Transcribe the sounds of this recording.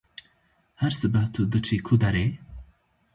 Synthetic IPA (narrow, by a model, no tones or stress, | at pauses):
hæɾsɨbɐht̪ʰud̪ɨt͡ʃʰikʰud̪ɐɾe